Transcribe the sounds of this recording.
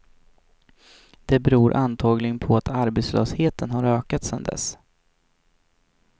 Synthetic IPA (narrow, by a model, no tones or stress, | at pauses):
d̪̥ɛbɛɾuːɾʔant̪ʰɑːɡlɪɡənpʰɔat̪aɾbet̪slø̰ːsheːt̪ənɦaɾøːkat̪sɛnd̪ɛ̰s